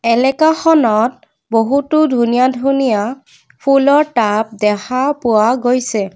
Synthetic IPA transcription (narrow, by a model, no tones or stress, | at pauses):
ɛlɛkaxɔnɔt̚ | boɦutʊdʱunijadʱunija | pʰulɔɹʈap̚dɛxapʊwaɡojsɛ